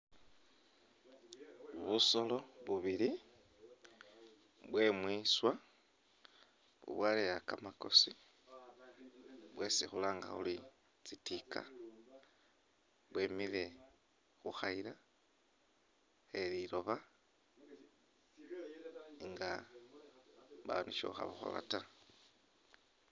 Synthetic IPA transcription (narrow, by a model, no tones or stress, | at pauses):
βuso̞lo̞βuβili | βwe̞mwiswa | βṵβwalejakamako̞si | βwe̞sixulaːŋɡa̰xṵli | t͡sitikʰa̰ | βwemile̞ | xuxaiɾa | eɾiɾo̞βa | ŋɡa | βaoniʃo̰xa̰βaxo̰la̰ta